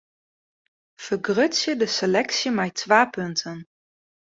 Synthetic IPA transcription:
v̥əɡrɵsjədəselɛksiəmɛjtʋaːpɵntʰən

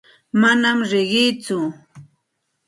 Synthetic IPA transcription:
manamɾɪɢɪjt͡sʊ

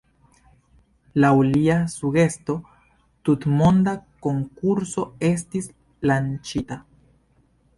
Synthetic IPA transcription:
lawliasuɡe̞st̪o̞ | t̪ut̪mo̞nd̪ako̞ŋkuɾso̞e̞s̬tis | lant͡ʃita

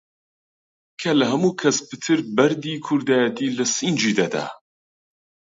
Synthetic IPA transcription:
kʰɐlɐɦɐmuːkʰɐspɨt̪ʰɨɾbɐɾd̪iːkʰʊɾd̪aːjɐt̪ʰiːlɐsind͡ʒiːd̪ad̪a̰ː

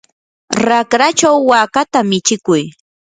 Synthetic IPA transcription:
ɾakɾat͡ʃawːaːkat̪amɪt͡ʃɪkʊj

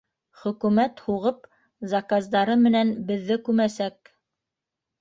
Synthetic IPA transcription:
χɵ̆kʉmæt̪huʁɤp | zɑkazd̪ɑɾɤmɘ̆nænbɘ̆ðːɘkʉmæsæk̚

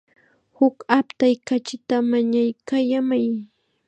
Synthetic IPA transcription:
hʊkapt̪ajkat͡ʃɪt̪amaɲajkajamaj

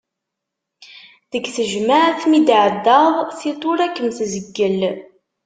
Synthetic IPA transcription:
ðəɡθəʒmaʕθmid̪ʕəd̪ːəðˤθit̪ˤʊɾækːənθzəɡːəl

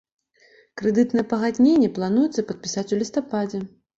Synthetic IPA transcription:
kɾɨd̪ɨt̪nɐjɛpɐɣad̪ʲnʲenʲːɛplˠan̪ujɛt̪sːɐpɐt̪̚pʲisat͡sʲulʲist̪apad͡zʲɛ

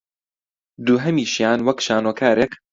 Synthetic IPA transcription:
d̪uːɦɐmiːʃjaːnwɐkʃaːnoːkʰaːɾeːk

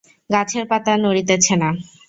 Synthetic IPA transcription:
ɡat͡ɕʰeɾpat̪anoɾit̪et͡ɕʰena

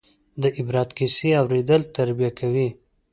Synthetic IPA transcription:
d̪əʔɪbɾɑt̪kiseawɾed̪əlt̪aɾbijakʰawi

